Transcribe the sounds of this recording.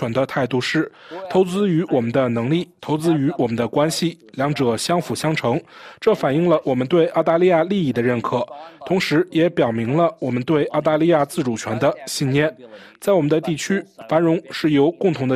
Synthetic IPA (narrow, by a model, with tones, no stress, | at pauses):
ɛ˧˥nd̪ə˧t̪ʰa˥˧ɪt̪u˥˧ʂɻ̩˥˩t̪ʰo˧˥ʊt͡sɹ̩˥y˧˥wɔ˨˩mə˦nd̪ə˧nɤ˧˥ŋli˥˩t̪ʰo˧˥ʊt͡sɹ̩˥y˧˥wɔ˨˩mə˦nd̪ə˧kwa˥nɕi˨˩ | ljɑ˧˥ŋʈ͡ʂɤ˨˩ɕjɑ˥ŋfu˨˩ɕjɑ˥ŋʈ͡ʂʰɤ˧˥ŋʈ͡ʂɤ˥˩fa˨˩ni˥˩ŋlə˨wɔ˨˩mə˦nt̪we˥˧ɪʔɑ˥˧ʊt̪a˥˧li˥˧ja˥˧li˥˧i˥˩d̪ə˩ɻə˥˩nkʰɤ˨˩˦t̪ʰʊ˧˥ŋʂɻ̩˧˥jɛ˧˥pjɑ˨˩ʊmi˧˥ŋlə˧wɔ˨˩mə˦nt̪we˥˧ɪʔɑ˥˧ʊt̪a˥˧li˥˧ja˥˧t͡sɹ̩˥˩ʈ͡ʂu˨˩t͡ɕʰɥɛ˧˥nd̪ə˧ɕi˥˧nnjɛ˥˩n | t͡sa˥˩ɪwɔ˨˩mə˦nd̪ə˧t̪i˥˩t͡ɕʰy˥fa˧˥nɻʊ˧˥ŋʂɻ̩˥˩jo˧˥ʊkʊ˥˩ŋt̪ʰʊ˧˥ŋd̪ə˧